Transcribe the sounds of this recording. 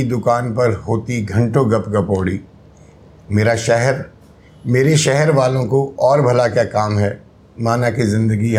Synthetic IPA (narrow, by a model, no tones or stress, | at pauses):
id̪ʊkaːnpɐɾhoːt̪iɡʱɐ̃ɳʈõɡɐpɡɐpoːɽiː | meːɾaʃɛɦɛɾ | meːɾeʃɛɦɛɾʋaːlõkoɔːɾbʱɐlakjaːkaːmɦɛː | maːnakizɪ̃nd̪əɡi